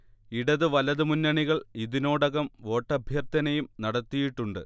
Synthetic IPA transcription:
iɽɐðɨʋɐlɐðɨmunːɐɳiɣɐɭiðino̞ːɽɐɣɐmo̞ːʈːɐbʱjɐrt̪ɐnɐjumnɐɽɐt̪ːijiʈːuɳɖɨ̰

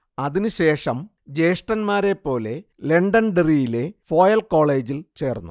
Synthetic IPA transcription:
ɐðinɨɕe̞ːʂɐm | d͡ʑe̞jʂʈɐnmaːɾe̞pːo̞ːle̞ | le̞ɳɖɐnɖerijile̞fo̞ːjɐlko̞ːɭe̞ːd͡ʑilt͡ɕe̞ːrnːu

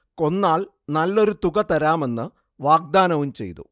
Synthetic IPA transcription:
ko̞nːaːɭ | nɐlːo̞ɾut̪uɣɐt̪ɐɾaːme̞nːɨ | ʋaːɡ̚d̪aːnɐʋumt͡ɕe̞̰jt̪ṵ

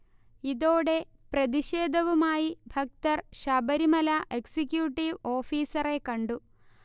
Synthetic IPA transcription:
iðoːɽe̞ | prɐd̪iʃeːd̪ʱɐʋumaːjibʱɐk̚t̪ɐrʃɐbɐɾimɐlɐʔeksikjuːʈːiʋo̞ːfiːsɐre̞kɐɳɖu

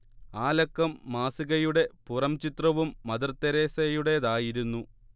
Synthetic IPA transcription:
aːlɐkːɐmːaːsiɣɐjuɽe̞purɐmt͡ɕit̪rɐʋumːɐd̪ɐrt̪ːɐɾeːsɐjuɽe̞ðaːjiɾunːu

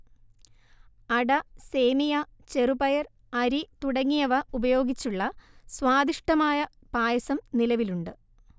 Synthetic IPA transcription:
ɐɽɐse̞ːmijat͡ɕe̞rubɐjɐr | ɐɾit̪uɽɐŋːijɐʋɐubɐjo̞ːɡit͡ɕːuɭːɐswaːd̪iʂʈɐmaːjɐ | b̥aːjɐsɐmnilɐʋiluɳɖɨ

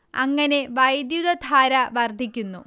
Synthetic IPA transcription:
ɐ̰ŋːɐne̞ʋɐjd̪jud̪ɐd̪ʱaːɾɐʋɐrd̪ʱikʲːunːu

